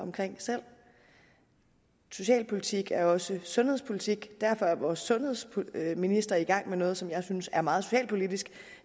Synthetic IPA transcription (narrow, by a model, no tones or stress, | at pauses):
ɒ̽mkʰʁeŋ̰sel̰ | so̝ɕɛ̰ːlpʰo̝lit͡sʰiɡ̥æɐɒ̽səsɔ̽nhe̝ð̞ˠspʰo̝lit͡sʰiɡ̥d̥æɐfɒ̽æɐʋɒːsːɔ̽nhe̝ð̰ˠspʰminisd̥ʁɐiɡ̥ɑ̈ŋ̰menɔ̽ːð̞̩ˠsɒ̽mjɑ̈ɪsynsæɐmɑ̈ːð̞̩ˠso̝ɕɛ̰ːlpʰo̝lid̥isɡ̥